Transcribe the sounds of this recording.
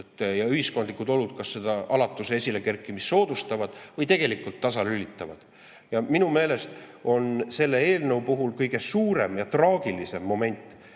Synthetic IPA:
t̪ːjɑyhisko̞nd̪likˑud̪o̞lud̪̥̚kɑsːe̞d̪̥ɑʔɑlɑt̪ːˑuseesʲileke̞rkːˑimisːo̞ːd̪ust̪ɑvɑd̪̥vɤjt̪e̞ɡ̥e̞likːˑult̪ːɑsɑlylit̪ːˑɑvɑd̪̥ | jɑminume̞ːle̞st̪o̞nse̞lːe̞e̞ːlnɤ̞wpuɦulkɤjɡ̥e̞suːɾe̞mjɑt̪rɑːɡ̥ilise̞mːo̞me̞nʲt̪ːˑ

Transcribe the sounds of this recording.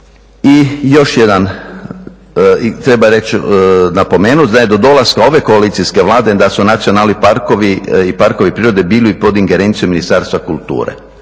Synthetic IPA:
ijo̞ʃjed̪an | it̪ɾe̞baɾe̞t͡ʃnapo̞meːnut̪d̪ajed̪o̞d̪o̞lˠaskao̞ʋe̞ko̞aliːt̪siske̞ʋlˠaːd̪e̞d̪asunat̪sijo̞naːlipaɾkoʋiipaɾko̞ʋipɾiːɾo̞d̪e̞biːliipo̞d̪iŋɡeɾe̞ːnt̪sijominist̪aɾst̪ʋakulˠt̪ṵːɾḛ

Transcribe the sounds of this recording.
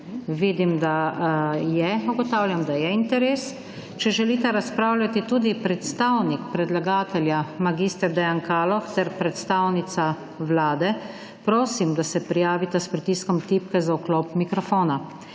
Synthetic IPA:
ʋiːd̪imd̪a | jɛuɡɔt̪awlʲjamd̪ajɛint̪ɛɾeːs | t͡ʃɛʒɛlit̪ɛɾaspɾawlʲjat̪it̪uːd̪ipɾɛt̪st̪awnikpɾɛd̪laɡaːt̪ɛljamaɡiːst̪ɛɾd̪ɛjankaːlɔxt̪ɛɾpɾɛt̪st̪aːwnit̪sa | wlaːd̪ɛ | pɾoːsimd̪asɛpɾijaːʋit̪aspɾit̪iːskɔmt̪ipkɛzaukloːpmikɾɔfoːna

